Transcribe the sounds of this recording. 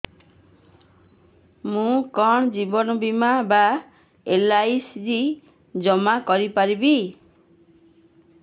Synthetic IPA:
mũkɔɳ̃d͡ʒibɔnɔbimaba | elajsɾi | d͡ʒɔmakɔɾipaɾibi

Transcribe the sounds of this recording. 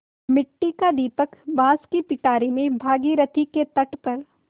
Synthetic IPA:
mɪʈːikad̪iːpəkbaːskipɪʈaːɾimẽbʱaːɡiɾɐt̪ʰiket̪ɐʈpɐɾ

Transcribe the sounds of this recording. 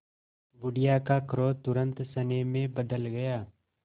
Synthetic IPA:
ʋʊɽijakakʰɾoːt̪ʊɾə̃nt̪sɐnemẽbɐd̪əlɡɐjaː

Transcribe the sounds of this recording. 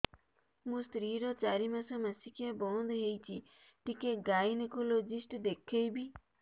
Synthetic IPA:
mũst̪ɾiɾɔt͡ʃaɾimasamasikiabɔnd̪ʱɦejt͡ʃʰi | ʈikeɡajnekolod͡ʒisʈd̪ekʰejbi

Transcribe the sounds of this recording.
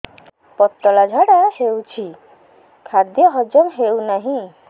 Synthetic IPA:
pɔt̪ːɔlad͡ʒʱaɽahewt͡ɕʰi | kʰad̪jɔɦɔd͡ʑɔmɦewnaɦĩ

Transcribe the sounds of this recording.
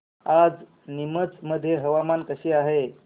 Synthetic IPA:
ad͡z | nimət͡sməd̪ʱːjeɦəʋamankəɕiːaɦe

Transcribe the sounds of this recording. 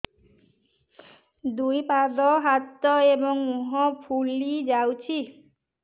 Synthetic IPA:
d̪ujpad̪ɔɦat̪ːɔebɔŋmuɦɔpʰulid͡ʒawt͡ʃʰi

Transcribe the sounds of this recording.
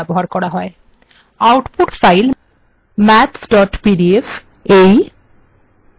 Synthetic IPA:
ɛboɦaɾkɔɾaɦɔe | awʈpoʈfajl | mɛtsɖɔʈpiɖief | ej

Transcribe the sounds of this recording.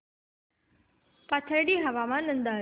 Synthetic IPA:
pat̪ʰəɾɖiːɦɐʋamanənd̪a

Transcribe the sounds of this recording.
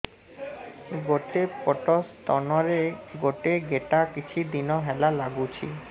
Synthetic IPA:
ɡoʈepɔʈost̪ɔnoɾeɡoʈeɡeʈakit͡ɕʰid̪inoɦɛlalaɡut͡ɕʰḭ

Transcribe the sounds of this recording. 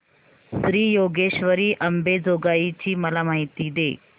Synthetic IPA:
sɾiːjoɡeʃʋəɾiːʔɐmbed͡zoɡajit͡ɕiːməlamaɦit̪id̪e

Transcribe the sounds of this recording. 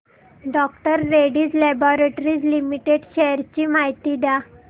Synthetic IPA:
ɖɔk̚ʈəɾːeɽiːd͡zlɛbɔɾeʈɾiːd͡zlimiʈeɖɕɛjəɾt͡ɕiːmaɦit̪iːd̪a

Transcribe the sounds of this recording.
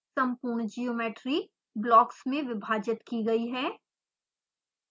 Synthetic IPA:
sɐ̃mpuːɾɳd͡ʒijoːmeːʈɾi | blɔːksmẽʋɪbʱaːd͡ʒɪt̪kiɡɐiɦɛː

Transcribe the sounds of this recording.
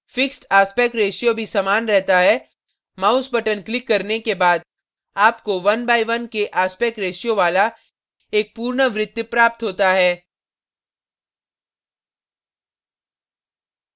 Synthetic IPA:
fɪksʈaːspɛːkɾeːʃjobʱisamaːnɾɛɦt̪aɦɛː | maːʊsbɐʈənklɪkːɐɾnekebaːd̪ | aːpkoʋɐnbaːiʋɐnkeʔaːspɛːkɾeːʃijõʋaːla | eːk̚puːɾɳəʋɾɪt̪jʊpɾaːp̚t̪ɦoːt̪aɦɛː

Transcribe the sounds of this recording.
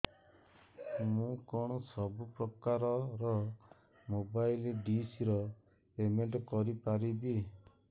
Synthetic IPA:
mũkɔɽ̃ɔsɔbupɾɔkaɾɔɾɔ | mobajlɖisiɾɔ | pemeɳʈɔkɔɾipaɾibi

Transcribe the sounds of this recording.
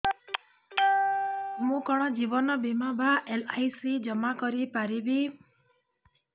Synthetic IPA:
mũkɔɽ̃ɔd͡ʒibɔnɔbimabʱaʔelajsid͡ʒɔmakɔɾipaɾibi

